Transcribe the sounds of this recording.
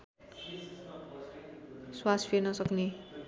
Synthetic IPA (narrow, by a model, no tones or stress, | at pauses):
swaspʰeɾnʌsʌkne